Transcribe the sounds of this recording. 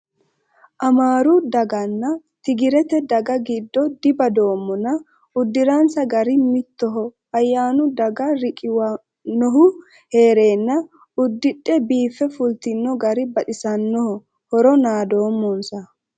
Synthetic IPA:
ʔɐmaːɾʊd̪ɐɡɐnːɐ | t̪ɪɡɪɾɛt̪ɛd̪ɐɡɐɡɪd̪ːɔd̪ɪbɐd̪o̞ːmːɔnɐ | ʊd̪ːɪɾansɐɡɐɾɪmɪt̪ːɔɦɔ | ɐjːaːnʊd̪ɐɡɐɾɪkʼɪwɐ | nːɔɦʊ | he̞ːɾe̞ːnːɐ | ʊd̪ːɪᶑːɛbiːfːɛfʊlt̪ɪnːɔɡɐɾɪbɐᶑɪsɐnːɔhɔ | hɔɾɔnaːd̪o̞ːmːɔnsɐ

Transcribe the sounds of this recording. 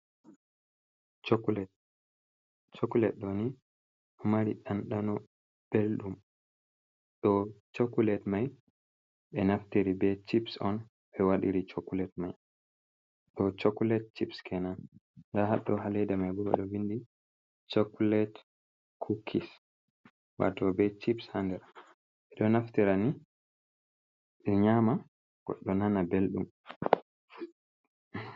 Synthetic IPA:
t͡ʃklɛ | t͡ʃokulɛtɗɔni | maɾiɗanɗanɔ | b̥elɗum | ɗɔt͡ʃokːulɛtmaj | ɓɛnaftiɾibɛt͡ʃipsɔn | ɓɛwaɗiɾit͡ʃokːulɛtmaj | ɗɔt͡ʃokulɛt̚t͡ʃipskʰɛnanndahaɗːɔhalɛdamajbɔɛ̰ɗɔwindi | t͡ʃokːulɛt | kʰukʰis | wa̰tɔbɛt͡ʃipshandɛɾ | ɓɛɗɔnaftiɾani | ɛɲama | ɡ̥ɔ̰ɗːɔnanabelɗṵm

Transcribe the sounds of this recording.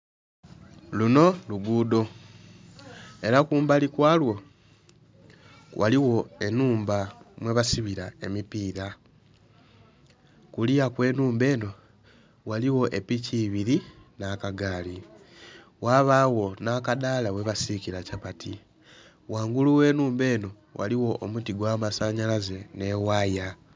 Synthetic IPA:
luno̞luɡuːdo̞ | e̞ɾakuːmbalikwaːlwo̞ | wʔa̰liwo̞e̞nuːmbamwe̞βasiβiɾae̞mipiːɾa | kulijakwe̞ːnuːmbe̞ːno̞ | waliwo̞ʔepiciβiɾinakaɡaːli | waːβaːwo̞nakadaːlawe̞βasiciɾacapatʰi | waːŋɡuluwe̞ːnuːmbe̞ːno̞ | wʔa̰liwo̞ʔomutiɡwaːmasaɲalaze̞ne̞waːja

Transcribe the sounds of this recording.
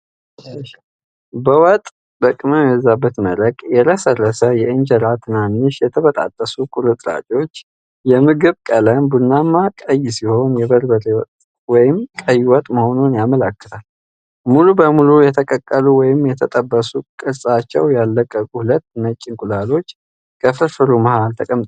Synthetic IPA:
bəwɔt̪ʼ | bəkʼːɨməmjɛzabːət̪mələɡʼjɛɾʰəsərːəsəjɛɨnd͡ʒəɾat̪ʰɨnanːɨʃjɛt̪ʰəβət̪ʼa̰t̪ʼːəsukʼuɾɨt̪ʼɾa̰tʼwo̞t͡ʃː | jɛmɨɡɨβkʼələnbunːamːakʼəjsiho̞njɛbəɾbəɾewɔt̪ | wɔjɪmkʼəjwɔt̪ʼməho̞nunjaməlakːə̥t̪ʰal | mulubəmulujɛt̪ʰəkʼəkʼːəluwɔjɪmjɛt̪ʰət̪ʼəbːəsukʼɨɾsʼat͡ʃːɛ̰wjalːəkʼːəkʼuhulət̪ːnət͡ʃʼːɪŋkʼulalo̞t͡ʃː | kʰəfɨfɨɾuməhalt̪ʰəkʼəmt̪ʼ

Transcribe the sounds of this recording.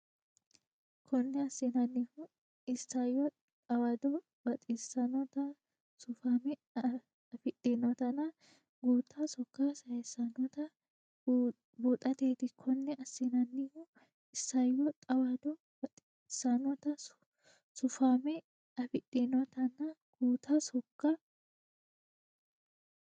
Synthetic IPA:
kʰɔnːɛɐsːɪnɐnːihʊ | ɪsːɐjɔ | t̪ʼɐwɐd̪ɔ | bɐt̪ʼisːɐnɔt̪ɐ | sʊfaːmɛ | ɐfɪᶑʼinɔt̪ɐnɐ | ɡuːt̪ʰːɐsɔkːasɐjɛsːɐnɔt̪ɐ | buːt̪ʼɐt̪eːt̪ɪkʰːɔnːɛʔɐsːɪnɐnːɪhu | ɪsːɐjɔt̪ʼɐwad̪ɔ | bɐt̪ʼ | sːɐnɔt̪ɐ | sʊfaːmɛ | ɐfɪtʼːenɔt̪ɐnɐɡ̥uːt̪ʰɐsɔkːɐ

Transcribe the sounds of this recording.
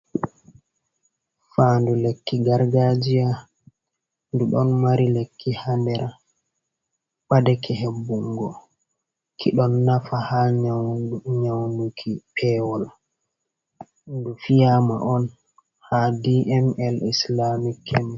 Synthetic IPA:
faːndulekːiɡaɾɡad͡ʒija | nduɗɔnmaɾilekːihandɛɾa | ɓadɛkʰɛɦebːuŋɡɔ | kʰiɗɔnːafahaɲ | ɲawnukʰipʰɛwɔl | ndufijama̰ʔɔn | hadiʔɛmɛlislamikʰːɛmɛ

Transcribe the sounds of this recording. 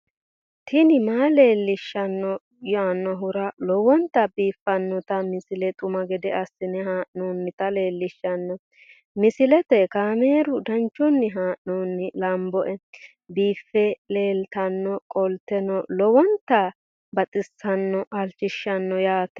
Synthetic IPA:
t̪ʰɪnɪmaːle̞ːlːɪʃːɐnːɔ | jaːnːɔɦʊɾɐlɔwɔnt̪ɐbiːfːɐnːɔt̪ɐmɪsɪlɛt̪ʼʊmɐɡɛd̪ɛɐsːɪnɛɦaːʔnuːnːɪt̪ɐle̞ːlːɪʃːɐnːɔ | mɪsɪlɛt̪ɛkaːmeːɾʊd̪ɐnt͡ʃːʊnːɪɦaːʔnoːnːɪlɐmbɔʔɛ | biːfːɛle̞ːlt̪ɐnːɔkʼɔlt̪ɛnɔlɔwɔnt̪ɐ | bɐt̪ʼɪsːɐnːɔʔɐlt͡ʃːɪʃːɐnːɔjaːt̪ɛ

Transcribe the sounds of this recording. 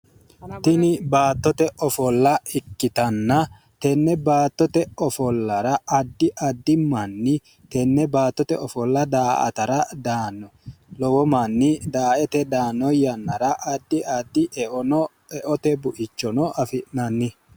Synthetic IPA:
t̪ɪnɪbaːt̪ːɔt̪ɛʔɔfɔlːɐɪkːɪt̪ɐnːɐ | t̪ɛnːɛbaːt̪ːɔt̪ɛɔfɔlːɐɾɐʔɐd̪ːɪʔɐd̪ːɪmɐnːɪ | t̪ɛnːɛbaːt̪ːɔt̪ɛ̰ɔfɔlːɐd̪aːʔɐ̰t̪ɐɾɐd̪aːnːɔlɔwɔmanːɪd̪aːʔɛt̪ɛd̪aːnːɔjɐnːɐɾɐʔɐd̪ːɪʔɐd̪ːɪʔɛ | ɛʔɔt̪ɛbʊʔɪt͡ʃːɔnɔʔɐfɪʔnɐnːɪ

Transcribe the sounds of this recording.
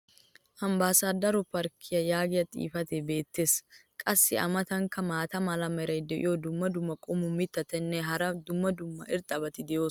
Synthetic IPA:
hɐmbaːsaːd̪ɐɾʊpɐɾkʰɪjɐjaːɡɪjɐt̪ʼḭːfɐt̪ɛbe̞ːt̪ːe̞ːskʼɐsːɪɐ̰mɐt̪ɐŋkɐmaːt̪ɐmɐlɐmɛɾɐjd̪ɛʔɪ̰jod̪ʊmːɐd̪ʊmːɐkʼɔmʊmɪt̪ːɐt̪ɛnːɛɦɐɾɐd̪ʊmːɐd̪ʊmːɐ̰ɪɾt̪ʼɐbɐt̪ɪd̪ɪjoː

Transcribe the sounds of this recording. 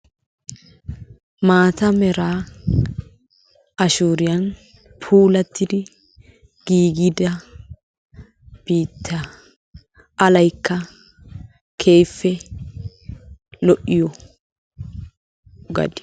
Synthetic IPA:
maːt̪ɐmɛɾaː | ɐʃuːɾɪjɐn | pʰuːlɐt̪ːɪd̪ɪ | ɡ̥iːɡɪd̪ɐ | b̥iːt̪ʰːɐ | ɐlɐjkːɐ | kʰe̞ːjfːɛ | lɔʔɪjɔ | ɡɐ̰d̪ɪ

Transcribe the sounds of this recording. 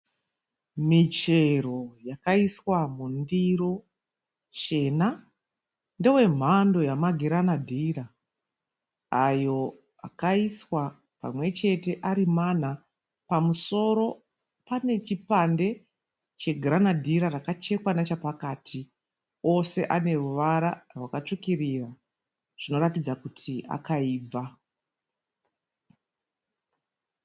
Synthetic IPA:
mit͡ʃe̞ro̞jakaiswamundiro̞ | t͡ʃe̞ːna | ndewe̞m̤ando̞jamaɡʱeɾanadʱiɾa | ajo̞ | a̰kaiswa | pa̰mwe̞t͡ʃe̞te̞ʔaɾiman̤a | pamuso̞ɾo̞ | pane̞t͡ʃipande̞ | t͡ʃe̞ɡʱranadʱiɾarakat͡ʃe̞kwanat͡ʃapakaːtʰi | o̞se̞ʔane̞ruʋaɾarwakat͡ʂukirira | ʐ̥ino̞ɾatid͡zakutʰia̰kaiːb͡va

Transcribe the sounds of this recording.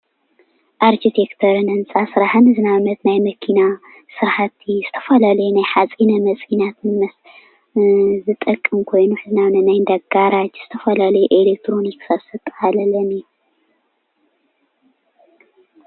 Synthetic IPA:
ʔaɾkʰit̪ʰekt̪ʰɐɾɨnɐnsʼasɨɾaħɨnɨzɨnaβnɐt̪najmɐkʰina | sɨɾħat̪ʰːizz̥ɨ̥t̪ʰɐ̥fɐlalɐjunajħat͡sʼinɐmɐt͡sʼinat̪ʰɨnmɐs | zɨt̪ʼɐkʼːɨmkʰo̞jnuħɨzɨnaβnɐt̪najnd̪aɡaɾad͡ʒz̥ɨt̪ʰɐfɐlalɐjuʔelek̚t̪ʰɾoniksasɐt̪ʼalɐlɐni

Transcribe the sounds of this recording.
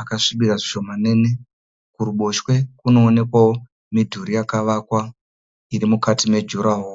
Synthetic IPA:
akaʂiɓiraʐiʂo̞manene | kuɾuɓo̞ʃwe̞kuno̞ːne̞kwawo | midʱuɾijakaʋakwa | iɾimukatime̞d͡ʒuɾaɦo

